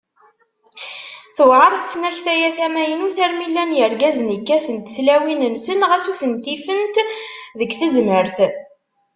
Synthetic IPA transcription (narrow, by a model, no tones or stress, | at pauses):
θəwʕəɾˤθsnæçθæjæθæmæjənuθæɾmilːænjəɾɡæzənəkːæθənt̪θlæwinənsənʁæsuθənt̪ifənt̪ðəɡθəzməɾθ